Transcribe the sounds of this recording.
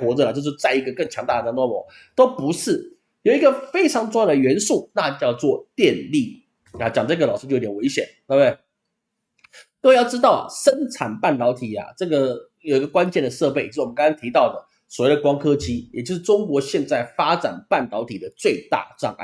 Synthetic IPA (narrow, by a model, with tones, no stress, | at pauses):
xwɔ˧˥t͡sɤ˧lə˨˩t͡ɕjo˥˧ʊʂɻ̩˥˧t͡sa˥˩ɪi˧˥ɡə˧kə˥˩ŋt͡ɕʰjɑ˧˥ŋt̪a˥˩ə˩t̪a˧˥nt̪wɔ˥mɔ˧˥˦ | t̪o˥ʊpu˧˥ʂɻ̩˥˩ | jo˨˩ʊi˧˥ɡə˧fe˥ɪʈ͡ʂʰɑ˧˥ŋʈ͡ʂʊ˥˧ŋjɑ˥˩d̪ə˩ɥɛ˧˥nsu˥˩na˥˧t͡ɕjɑ˥˧ʊt͡swɔ˥˨˧t̪jɛ˥˧nli˥˩ | a˨˩t͡ɕjɑ˨˩ŋ˥˩ɡə˩lɑ˨˩ʊʂɻ̩˥t͡ɕo˥˩˧o˥t̪ʰʲɛ˨˩we˧˥ɪɕjɛ˨˩˦nt̪e˥˧b̪e˥˩ɪ | ni˥˩˧we˧jʊʈ͡ʂɻ̩˥t̪ɑ˥˩ʊa̰˨˩ʂə˥nʈ͡ʂʰa˨˩npa˥˩nt̪ɑ˧˥ʊt̪ʰi˨˩a̰˨˩ʈ͡ʂɤ˥˩ɡə˩jo˨˩i˧˥ɡə˧kwa˥nt͡ɕɛ˥˩nd̪ə˩ʂɤ˥˧pe˥˩ɪt͡ɕ̩˧˥˩kɑ˥ŋ˥ɑ˥ŋt̪ʰi˧˥t̪ɑ˥˩ʊd̪ə˩ | swɔ˨˩we˥˩d̪ə˩kwɑ˥ŋkʰɤ˥t͡ɕi˥jɛ˨˩t͡ɕo˥ʊʂɻ̩˥˩ʈ͡ʂʊ˥ŋkwɔ˧˥ɕjɛ˥˧nt͡sa˥˩ɪfa˥ʈ͡ʂa̰˨˩npa˥˩nt̪ɑ˧˥ʊt̪ʰi˨˩d̪ə˦t͡swe˥˧ɪt̪a̰˥˧˩ʈ͡ʂɑ̰˥˩ŋ̰˥˩